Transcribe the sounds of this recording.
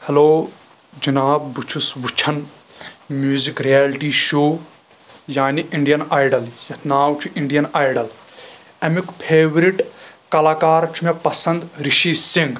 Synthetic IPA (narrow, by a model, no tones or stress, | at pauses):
hɐloː | d͡ʒɐnaːbːut͡ʃʰusʋut͡ʃʰɐn | mjuːzikɾijaːlʈiːʃoː | jaːniʔiɳɖijɐnaːjɖɐljɐt̪ʰnaːwt͡ʃʰuʔiɳɖijɐnaːjɖɐl | ɐmikpʰeːʋɾiʈkɐlaːkaːɾt͡ʃʰumepɐsɐ̃nd̪ɾiʃiːsiŋɡ